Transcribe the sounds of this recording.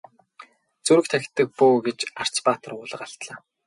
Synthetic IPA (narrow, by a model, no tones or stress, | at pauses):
t͡suɾɘ̆k̚t̪ʰækʲɪ̥̆t̪ːə̆k̚puːɡet͡ɕar̥t͡spaːt̪ə̆rʊːɮə̆qaɬt̪ɮaː